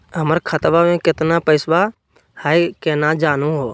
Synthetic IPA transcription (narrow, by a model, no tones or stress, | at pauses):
ɦəməɾkʰət̪ʋamẽːkɪt̪napəɪsʋaː | haikeːnãːd͡ʒaːnũːɦoː